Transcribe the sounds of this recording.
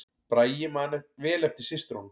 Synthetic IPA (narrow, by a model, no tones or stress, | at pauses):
pɾaːjjɪmaːnɛvɛːlɛft̪ɪsɪst̪ɾon